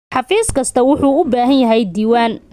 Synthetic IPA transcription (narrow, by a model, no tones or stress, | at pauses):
ħɑfiːskʰɐst̪ʰɐwʊħuːʊbaːɦɐnjɐɦɛjd̪iːwaːn